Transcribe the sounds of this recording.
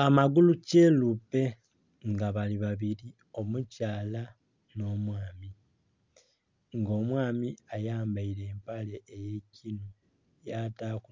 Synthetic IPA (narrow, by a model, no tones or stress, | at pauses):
amaɡuluce̞lupe̞ | ŋɡaβaliβaβiɾi | o̞mucaːla | no̞ːmwaːmi | ŋɡo̞ːmwaːmiajaːmbaiɾe̞ːmpale̞ːjecino | jataːku